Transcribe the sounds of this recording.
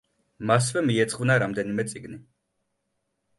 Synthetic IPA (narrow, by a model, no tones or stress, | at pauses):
mas̬vɛmiɛt̪sʼχʼvnaɾamd̪ɛnimɛt̪sʼiɡni